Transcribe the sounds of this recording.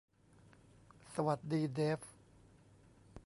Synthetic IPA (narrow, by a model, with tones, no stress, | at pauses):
sa˧wa˨˩t̪̚diː˧deː˦˥f